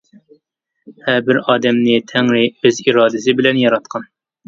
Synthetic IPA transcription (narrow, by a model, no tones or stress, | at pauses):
hɛɾbɪɾɑːd̪ɛmnɪt̪ʰɛŋɾɪøziɾɑːd̪ɪsɪbɪlɛnjɑɾɑt̪̚qʰɑn